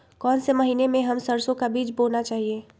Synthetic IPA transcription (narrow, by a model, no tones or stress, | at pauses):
kɔːnseməɦiːnemẽɦɐmsəɾsõkabiːt͡ʃboːlnat͡ʃaːɦieː